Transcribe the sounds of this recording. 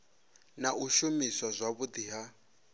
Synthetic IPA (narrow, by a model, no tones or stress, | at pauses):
naʔuʃumiswazʷaβud̪iɦa